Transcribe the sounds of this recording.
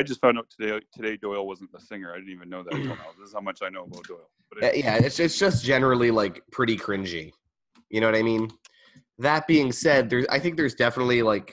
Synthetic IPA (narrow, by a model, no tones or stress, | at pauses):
aɪd͡ʒʌstfãʊ̃ndaʊtʰədeɪtʰɨɾeɪdɔɪl̩ˠwʌz̃n̩ðəsɪ̃ŋə˞aɪdɪdⁿn̩tivɨ̃nːoʊðɨtʰnaʊðɪsz̥haʊmʌt͡ʃaɪnoʊəbat̚d̥ɔɪl̩ˠb̥ʌæjæɪtsɨtsd̥ʒ̥ʌsd̥ʒ̥ɛnə˞l̩ˠilaɪkpʰɹ̥ɪɾikʰɹ̥ɪ̃nd͡ʒḭ | jɨñoʊwʌɾaɪmĩn | ðət̚b̥iɪ̃ŋsɛd̪̚ðə˞za̰ɪθɪ̃ŋk̚ðə˞zdɛfənətˡlilaɪk